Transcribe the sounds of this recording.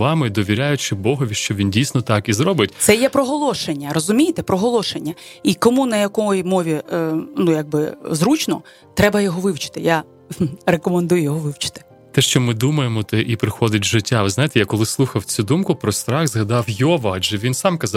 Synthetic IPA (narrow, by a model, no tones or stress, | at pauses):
ʋɑmɪd̪ɔʋʲiɾʲajʊt͡ʃɪbɔɦɔʋʲiʃt͡ʃɔʋʲindʲijsʲnɔt̪ɑkizɾɔbɪtʲt̪sɛjɛpɾɔɦɔlˠɔʃenʲːɐrɔzʊmʲijt̪ɛpɾɔɦɔlˠɔʃenʲːɐikɔmunɐjɐkɔjimɔʋʲinujaɡ̚bɪzɾut͡ʃnɔ | t̪ɾɛbɐjɔɦɔʋɪwt͡ʃɪ̥t̪ɪja | rekɔmend̪ujʊjɔɦɔʋɪwt͡ʃɪ̥t̪ɪ̥ | t̪ɛʃt͡ʃɔmɪd̪umɐjemɔt̪ɛʔipɾɪxɔd̪ʲɪtʲʒɪtʲːaʋɪznɑjɪt̪ɛjakɔlˠɪslˠuxɐwt͡sʲud̪umkʊpɾɔst̪ɾɑxzɦɐd̪ɑwjɔʋɐad͡ʒɛʋʲinsɑmkɐz